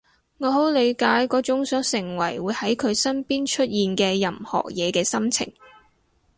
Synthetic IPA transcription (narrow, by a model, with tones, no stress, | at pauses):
ŋɔː˨˧ɦo˨˥wle˨˧jkaː˨˥jkɔː˨˥t͡ʃʊ˨˥ŋsœː˨˥ŋsɪ˨˩ŋwɐ˨˩jwuː˨˧jhɐ˨˥jkʰɵ˨˧ɥsɐ˥npiː˥nt͡ʃʰɵ˥t̚jiː˨nkɛː˧jɐ˨˩mhɔ̰ː˨˩k̚jɛː˨˧kɛː˧sɐ˥mt͡sʰɪ̰˨˩ŋ